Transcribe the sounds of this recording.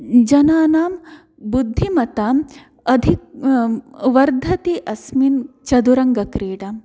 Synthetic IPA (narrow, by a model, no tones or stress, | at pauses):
d͡ʒɐnaːnaːm | bud̪ʱːimɐt̪aːm | ɐd̪ʱik̚ | ʋɐɾd̪ʱɐt̪iʔɐsmint͡ʃɐd̪uɾɐŋɡɐkɾeːɽaːm